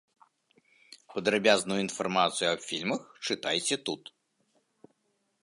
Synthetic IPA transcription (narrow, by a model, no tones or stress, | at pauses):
pɐd̪ɾabʲaznujuinfarmat̪sɨjuɐbfʲilʲmɐxt͡ʂɨt̪ajt͡sʲɛt̪ut̪